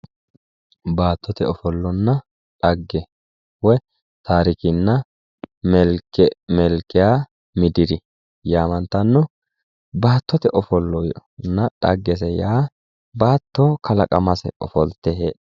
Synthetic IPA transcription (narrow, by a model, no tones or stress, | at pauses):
baːt̪ːɔt̪ɛɔfɔlːɔnːɐ | ᶑɐɡːɛ | wɔ | t̪aːɾɪkɪnːɐ | mɛlkɛmɛlkːɪjaː | mɪd̪ɪɾɪ | jaːmɐnt̪ɐnːɔ | baːt̪ːɔt̪ɛʔɔfɔlːɔjnːɐᶑɐɡːɛs̬ɛjaː | baːt̪ːokʰɐlɐkʼɐmɐsɛ̰ɔ̰fɔlt̪ːɛɦeː